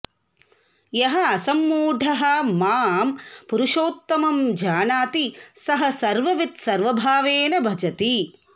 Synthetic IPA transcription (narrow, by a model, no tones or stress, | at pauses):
jɐɦɐɐsɐmːuːɖʱɐɦɐ̆maːmpuɾuʃoːt̪ːɐmɐmd͡ʒaːnaːt̪isɐɦɐsɐɾʋɐʋit̪sɐɾʋɐbʱaːʋeːnɐbʱɐd͡ʒɐt̪i